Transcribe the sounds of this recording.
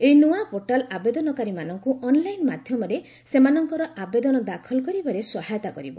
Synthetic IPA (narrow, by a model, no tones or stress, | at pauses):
einoapoɾʈalabed̪ɔnɔkaɾimanɔŋkuʔɔnlajnmad̪ʱjɔmɔɾe | semanɔŋkɔɾɔʔabed̪ɔnɔd̪akʰɔlɔkɔɾibɔɾesɔɦajɔt̪akɔɾibɔ